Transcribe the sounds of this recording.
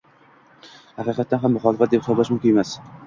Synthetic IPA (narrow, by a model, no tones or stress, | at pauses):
hɑqiqʰɑt̪ːanɦamːʊχɒlˠɪfat̪̚d̪ep̚hɪsɒblaʃmʊmkʰʲɪne̞mas